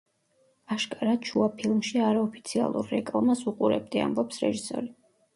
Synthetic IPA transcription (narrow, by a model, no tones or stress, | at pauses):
aʃkʼaɾat͡ʃʰuapʰilˠmʃiaɾaɔpʰi̥t̪sʰia̰lˠṵɾːɛkʼlˠamasuqʼuɾɛ̰b̚d̪ia̰mbɔpsɾɛ̰ʒisɔ̰ɾi